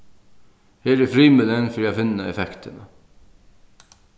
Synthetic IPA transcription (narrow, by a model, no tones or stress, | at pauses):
heːɾɛfɾiːmʉlɛnfœɾjafɪnːaɛfɛkt̪əna